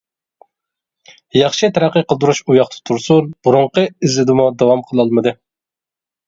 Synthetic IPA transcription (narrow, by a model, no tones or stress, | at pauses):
jɑχʃit̪ʰæɾæqːəqəlˠd̪uɾuʃujɑχt̪ʰə̥t̪ʰuɾsuɾbuɾuɴqəizlɪd̪ɪmud̪ɑwɑmqʰəlˠɑlˠmɨd̪ɨ